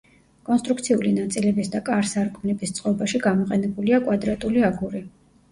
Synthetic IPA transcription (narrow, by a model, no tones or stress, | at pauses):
kʼɔnst̪ʼɾukt̪sʰiulinat̪sʼilɛbisd̪akʼaɾsaɾkʼmnɛbist̪sʼqʼɔbaʃiɡamɔqʼɛnɛbuliakʼwad̪ɾat̪ʼuliaɡuɾi